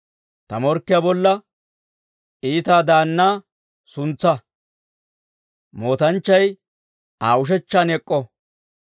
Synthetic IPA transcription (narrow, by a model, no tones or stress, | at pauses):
t̪ɐmɔɾkːɪjabɔlːɐ | iːt̪aːd̪aːnːaː | sʊnt͡sːɐ | mo̞ːt̪ɐnt͡ʃːɐj | aːʊʃ̬ɛt͡ʃːaːnɛkʼːɔ